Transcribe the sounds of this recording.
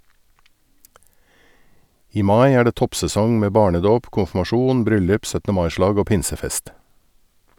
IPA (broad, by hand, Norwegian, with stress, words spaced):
ˈiː ˈmɑɪ ˈæː ˈɖeː ˈtɔpsɛˌsɔŋ ˈmeː ˈbɑːɳəˌdoːp kʊnfmɑˈʃuːn ˈbɾʏlʉp ˈsœtə ˈmɑɪ ˈʃlɑːɡ ˈoː ˈpɪnsəˌfɛst